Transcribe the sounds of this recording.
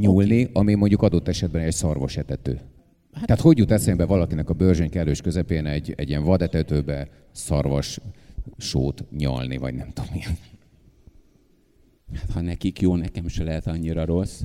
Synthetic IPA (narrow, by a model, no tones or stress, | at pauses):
ɲulniɒmimo̞ɲɟukɒd̪o̞t̪ːɛʃɛd̪bɛnɛɛcsɒrvoʃɛt̪ɛt̪øː | t̪ɛɦaːt̪ho̞ɟːut̪ɛt̪sembɛvɒlɒkinɛkɒbørʒøɲkɛlːøːʃkøzɛpeːnɛɟːɛ̰ɟːiɛɱvɒd̪ɛt̪ɛt̪øːbɛ | sɒrvɒʃ | ʃo̰ːt̪ɲɒ̰lnḭvɒ̰ɟnɛmt̪o̞mːiɛn | hat̪hɒnɛkikjoːnɛkɛmʃɛlɛɦɛt̪ɒɲːiɾɒɾos